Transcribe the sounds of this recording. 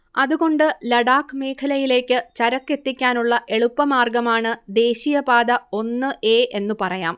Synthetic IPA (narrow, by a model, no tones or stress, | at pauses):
ɐðuɣo̞ɳɖɨlɐɽaːkːɨme̞ːkʰɐlɐjile̞ːkʲːɨt͡ɕɐɾɐkːe̞t̪ːikʲːaːnuɭːɐʔe̞ɭupːɐmaːrɡɐmaːɳɨd̪e̞ːɕijɐpaːd̪ɐo̞nːɨʔe̞ːʔe̞nːupɐrɐjaːm